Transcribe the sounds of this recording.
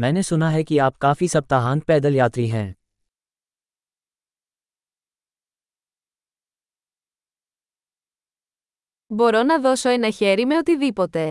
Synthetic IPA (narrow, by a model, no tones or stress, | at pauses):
mɛ̃ːnesʊnaɦɛkiaːp̚kaːfisɐb̚t̪aɦaːnt̪̚pɛːd̪əljaːt̪ɾiɦɛ̃ː | bo̞ɾo̞nɐðo̞so̞enɐçeɾimeot̪iðipo̞t̪e̞